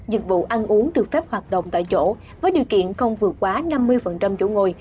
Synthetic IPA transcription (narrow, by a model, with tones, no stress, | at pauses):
zï˨˩t̚vṵ˧˨ʔa˧nʔu˨˦əŋɗɨ˨˩ək̚fɛ˦˥p̚hwaː˨˩t̚ɗə̰˧˨wŋ͡mt̪a̰ː˧˨jt͡ɕo̰˧˥ | vəː˨˦jɗi˨˩əwkḭ˧˨ənxə˧wŋ͡mvɨ˨˩ət̚kwaː˨˦na˧mːɨ˧əjfə˨˩nt͡ɕa˧mt͡ɕo̰˧˥ŋo˧˩j